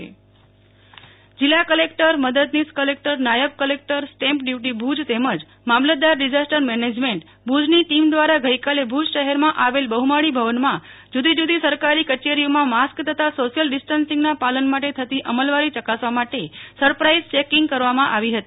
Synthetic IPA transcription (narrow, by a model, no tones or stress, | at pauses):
d͡ʒɪlːakəlekʈəɾməd̪əd̪niskəlek̚ʈəɾnajəʋkəlek̚ʈəɾsʈɛ̃mpɖjuʈibʱud͡ʒt̪eməd͡ʒ | mamləd̪aɾːid͡ʒasʈəɾmɛned͡ʒmeɳʈ | bʱud͡ʒniʈimd̪ʋaɾaɡəjkalebʱud͡ʒʃəɦɛɾmãʔaʋelbəɦumaɽibʱəʋənmã | d͡ʒud̪id͡ʒud̪isəɾkaɾikət͡ʃeɾijomãmaskt̪ʰət̪ʰasoʃijəlɖɪsʈənsĩŋɡnapalənmaʈet̪ʰət̪iʔəməlʋaɾit͡ʃəkasʋamaʈesəɾpɾaizt͡ʃekɪŋɡkəɾʋamãʔaʋiɦət̪i